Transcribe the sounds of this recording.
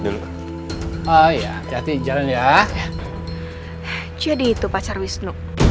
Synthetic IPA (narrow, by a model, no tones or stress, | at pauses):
aija̰d͡ʒad̪id͡ʒalanja | d͡ʒadiːt̪upat͡ʃarwisnu